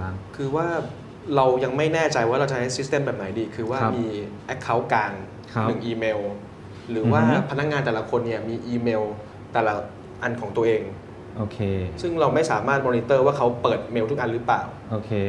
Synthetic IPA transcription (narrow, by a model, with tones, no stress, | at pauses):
a˧˩kʰɯː˧waː˥˩ | ɾa˧wja˧ŋma˥˩jnɛː˥˩t͡ɕa˧jwaː˥˩ɾa˧wt͡ɕa˨˩˦ha˥jsi˦˥st̪eː˧˥˩mbɛː˨˩p̚na˩˦jdiː˧kʰɯː˧waː˥˩˦miː˧ʔɛ˦˥kʰːa˦˥˩wkaː˧ŋ | kʰnɯ˨˩ŋʔiː˧meː˧w | ɾɯː˩˦waː˥˩pʰa˧na˦˥k̚ŋaː˧nt̪ɛː˨˩la˦˥kʰo˧nːi˥˩ɐmiː˧ʔiː˧meː˧w | t̪ɛː˨˩la˦˩ | ʔa˧nkʰɔː˩˦ŋt̪u˧ɐʔeː˧ŋ | ʔoː˧˩kʰe˧sɯ˥˩ŋɾa˧wma˥˩jsaː˩˦maː˥˩t̪̚mɔː˧niː˧t̪ɤː˥˩waː˥˩kʰa˦˥wpɤː˨˩t̪̚meː˧wt̪ʰʔa˧ɾɯː˦˥pla̰ː˨˩wʔo˧˩kʰe˧